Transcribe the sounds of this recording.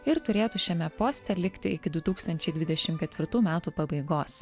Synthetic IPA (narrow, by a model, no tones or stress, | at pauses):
ɪɾt̪ʊɾʲeːt̪uʃʲɛmʲɛpoːsʲt̪ʲɛlʲɪkt̪ʲɪɪkʲɪd̪ʊt̪uːkst̪ɐnʲt͡ʃʲɛɪd̪ʲʋʲɪd̪ʲɛʃʲɪmkʲɛt̪ʲʋʲɪɾt̪uːmʲæːt̪uːpɐbɐɪɡoːs